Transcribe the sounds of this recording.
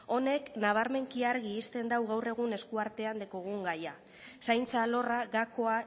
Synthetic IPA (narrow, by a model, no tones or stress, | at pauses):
o̞ne̞knaβ̞aɾme̞ŋkiaɾɣiːst̪e̞nd̪awɣawre̞ɣ̞une̞skuaɾt̪e̞and̪ekoɣuŋɡaja | sajnt͡salo̞raɣako̞a